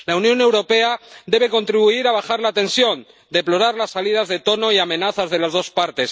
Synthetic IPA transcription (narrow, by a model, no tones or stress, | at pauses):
launjõ̞ne̞wɾo̞pe̞ad̪e̞β̞e̞ko̞nt̪ɾiβ̞uiɾaβ̞axaɾlat̪ẽ̞nsjo̞n | d̪eplo̞ɾaɾlasːalið̞azðe̞t̪o̞no̞iamẽ̞naθazðe̞lazð̞o̞spaɾt̪e̞s